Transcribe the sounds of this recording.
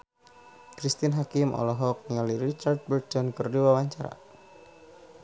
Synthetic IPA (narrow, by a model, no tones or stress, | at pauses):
kɾist̪inɦakɪmʔɔ̰lɔɦɔk̚niŋaliɾit͡ʃard̪̚bərt̪ɔnkɨrduwawaɲt͡ʃaɾa̰